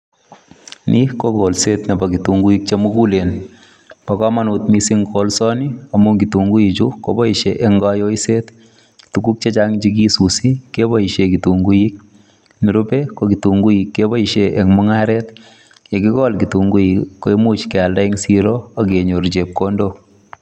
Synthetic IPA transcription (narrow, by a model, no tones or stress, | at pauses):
nʔikokolsetnebɐkituŋɡuik̚t͡ʃemukulen | pakɑmanut̚misiŋkolsɔniɐmuŋɡituŋɡuit͡ʃukobɔiʃeʔɛŋɡajoiset | tukuk̚t͡ʃet͡ʃaŋt͡ʃik̬isusikebɔiʃekituŋɡujik̚ | niɾupekokituŋɡujikːebɔiʃeʔeŋmʊŋaɾet | jekikɔlkituŋɡuikːoemut͡ʃkɛaldaiŋsiɾoakeɲoɾt͡ʃep̚kondo